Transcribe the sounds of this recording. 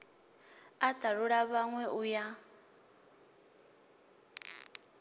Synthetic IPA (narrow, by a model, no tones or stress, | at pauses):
ad̥aɺuɺaβaŋwɛʔuja